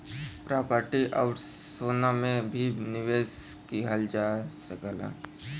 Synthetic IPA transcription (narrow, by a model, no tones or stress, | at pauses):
pɾaːpəɾʈiʔaʊʈsoːnamẽbʱinɪʋeːs | kiɦəld͡ʒaːsəkəla̰ː